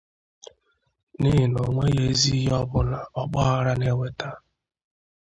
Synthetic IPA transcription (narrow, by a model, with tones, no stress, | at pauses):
nɪ˦ɦɪ˨no˨ŋʷe˦ɣe˦zi˦ɦɔ˦bʊ˦na˨ɔ˦k͡pa˦a˦ɾa˦ne˦we˦ta˦